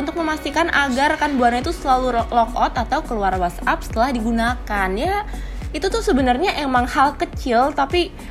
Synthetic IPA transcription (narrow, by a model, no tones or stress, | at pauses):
unt̪ʊk̚məmast̪ikanʔaɡarkanbuaɲait̪usəlaluɾɔklɔkɔt̪at̪awkəluarwasap̚sə̥t̪əlahdiɡunakanja | it̪ut̪ʊhsəbənərɲaʔemaŋhalkət͡ʃɪlt̪api